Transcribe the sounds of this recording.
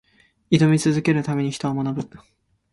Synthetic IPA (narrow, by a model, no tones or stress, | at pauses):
id̪o̞mʲit͡sɨzɨke̞ɾɯ̟t̪ame̞ɲ̟içi̥t̪o̞amonabɯ̟